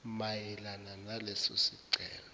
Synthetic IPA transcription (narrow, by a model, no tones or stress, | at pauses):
majɛlananalɛsosiǀʱɛ̰ːlɔ